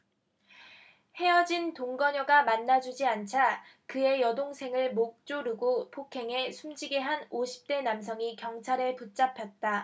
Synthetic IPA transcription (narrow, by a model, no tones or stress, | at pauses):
he̞ʌd͡ʑintoŋɡʌɲʌɡamanːad͡ʑud͡ʑiant͡ɕʰakɯe̞jʌdoŋsʰe̞ŋɯɭmok̚t͡ɕ͈oɾuɡopʰokʰe̞ŋe̞sʰumd͡ʑiɡe̞ɦanoɕʰi̥p̚t͈e̞nams̬ʰʌŋikjʌŋt͡ɕʰaɾeput̚t͡ɕ͈apʰjʌt̚t͈a